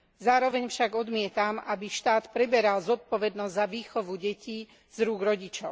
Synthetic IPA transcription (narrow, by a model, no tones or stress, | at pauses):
zaːɾɔʋɛɲfʃaɡɔd̪mɪɛt̪amabiʃt̪aːt̪pɾɛbɛɾalzɔt̪̚pɔʋɛd̪nɔzzaʋiːxɔʋuɟɛci | z̥ɾuːɡɾɔɟit͡ʃɔʊ